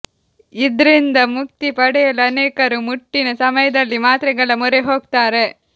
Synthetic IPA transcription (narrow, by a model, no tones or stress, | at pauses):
id̪ɾind̪ɐmuk̚t̪ipɐɽɛjɐluɐneːkɐɾumuʈːinɐsɐmɐjɐd̪ɐlːimaːt̪ɾɛɡɐɭɐmɔɾeɦoːɡt̪aːɾe̞